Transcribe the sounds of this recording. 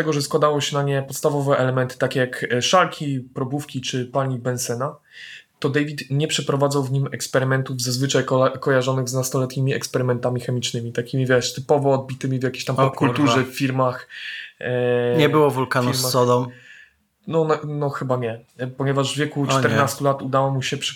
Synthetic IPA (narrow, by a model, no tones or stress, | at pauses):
t̪ɛɡɔʐɛskwad̪awɔɕɛnaɲɛpɔt̪st̪avɔvɛʔɛlɛmɛnt̪ɘ̥t̪akʲɛjakʂalkʲipɾɔbufkʲit͡ʂɘpaɲibɛnsɛna | t̪ɔd̪ɛjvʲit̪ɲɛpʂɛpɾɔvad̪zawvɲimɛkspɛɾɘmɛnt̪uvzazvɘt͡ʂajkɔjaʐɔnɘɣznast̪ɔlɛt̪ɲʲimʲiɛkspɛɾɘmɛnt̪amʲixɛmʲit͡ʂnɘmʲit̪akʲimʲivʲjɛʂt̪ɘpɔvɔːd̪̚bʲit̪ɘmʲivjakʲeɕt̪ampɔpkult̪uʐɛffʲːiɾmax | ɲɛbɘwɔvulkanuɾmasɔd̪ɔm | nɔnnɔxɘbaɲɛpɔɲɛvaʐvvʲjɛkut͡ʂt̪ɛɾnast̪ulat̪ud̪awɔmuɕɛpʂ